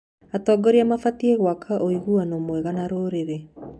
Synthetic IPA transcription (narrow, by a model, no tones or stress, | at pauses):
atɔːɡɔɾeamafatieɣwakʰaʔoiɣuanomwɛɣanaɾoɾeɾe